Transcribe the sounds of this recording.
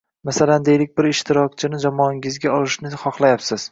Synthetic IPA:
masaland̪ejlɪk̚ʲbɪɾɪʃt̪ʰɪɾɒkʲt͡ʃʰɪnɪd͡ʒamɒːɪŋʲɪzɡʲaɒlˠɪʃnɪχɒχlˠajapsɪz̥

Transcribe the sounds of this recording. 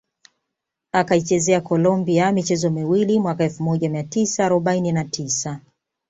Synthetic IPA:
akait͡ʃɛzɛakɔlɔmbiamit͡ʃɛzɔmiwilimwakaɛlfumɔʄamiatisaːɾɔɓaininatʰisa

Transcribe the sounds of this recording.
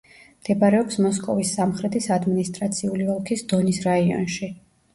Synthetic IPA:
md̪̥ɛbaɾɛɔpsmɔskʼɔvisːamχɾɛt̪ʰisad̪minist̪ʼɾat̪sʰiulivɔlˠkʰisd̪̥ɔnisɾaiɔ̰nʃi

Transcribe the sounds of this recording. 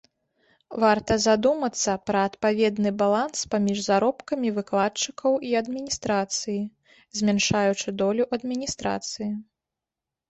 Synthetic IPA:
vart̪ɐzad̪umɐt̪sːɐpɾɐːt̪pavʲɛd̪nɨbalˠanspamʲiʐzaɾɔpkɐmʲivɨklˠatt͡ʂɨkʰɐwʔiɐd̪mʲinʲist̪ɾat̪sɨji | zʲmʲanʂajut͡ʂɨd̪ɔlʲuʔɐd̪mʲinʲist̪ɾa̰t̪sɨji

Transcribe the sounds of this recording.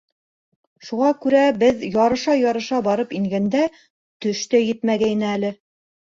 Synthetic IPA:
ʃuʁɑkʉɾæbɘðjɑɾɤ̆ʃɑjɑɾɤ̆ʃɑbɑɾɤpiŋɡænd̪æ | t̪ɵ̆ʃt̪æjɘ̆t̪mæɡæjnɘælɘ

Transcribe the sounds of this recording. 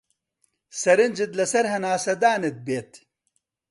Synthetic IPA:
sɐɾind͡ʑit̪lɐsɐɾɦɐnaːsɐd̪aːnet̪̚beːt̪

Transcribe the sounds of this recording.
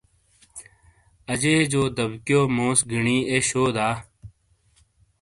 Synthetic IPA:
əd͡ʒeːd͡ʒoːd̪əbkjoːmõːsɡɪɳiːeːɕoːd̪aː

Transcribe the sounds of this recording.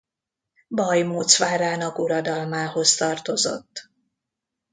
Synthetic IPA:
bɒjmoːt̪sʋaːɾaːnɒkuɾɒd̪ɒlmaːho̞st̪ɒrt̪o̞zo̰t̪ː

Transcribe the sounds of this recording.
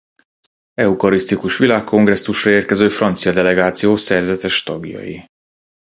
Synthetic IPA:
ɛukɒɾist̪ikuʃʋilaːkːo̞ŋɡrɛsːuʃrɒeːrkɛzøːfrɒnt̪sijɒd̪ɛlɛɡaːt̪sijoːsɛrzɛt̪ɛʃt̪ɒɡjɒ̰jḭ

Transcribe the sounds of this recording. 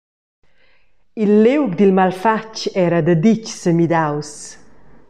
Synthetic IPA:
ilːewkd̪ilmalfat͡ʃɛɾad̪əd̪it͡ʃsəmid̪aws

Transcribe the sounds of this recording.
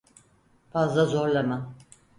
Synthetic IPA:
fazlˠazo̞ɾlˠama

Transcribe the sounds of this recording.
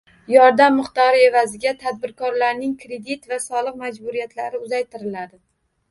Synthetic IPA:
jɒɾd̪amːɪχt̪ɒɾɪe̞vazɪɡʲat̪ʰad̪̚bɪɾkʰɒɾlaɾnɪŋkʰɾe̞d̪it̪vasɒlˠɨqmad͡ʒbuɾijat̪ʰlaɾɪʊzajt̪ʰɪɾɪlad̪ɪ

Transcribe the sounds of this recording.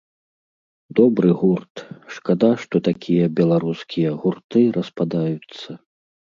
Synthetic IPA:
d̪ɔbɾɨɣurt̪ʂkad̪aʂt̪ɔt̪akʲijɐbʲɛlˠaɾuskʲʰijɐɣurt̪ɨɾɐspad̪ajut̪sːɐ

